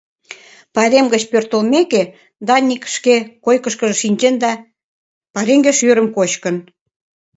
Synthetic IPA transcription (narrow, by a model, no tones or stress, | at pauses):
pɑɾʲemɡət͡ɕpørt̪olmeke | d̪ɑnʲːikʃkekojkə̆ʃkəʒə̆ʃinʲt͡ɕend̪ɑ | pɑɾeŋɡeʃyɾə̆mkot͡ɕkən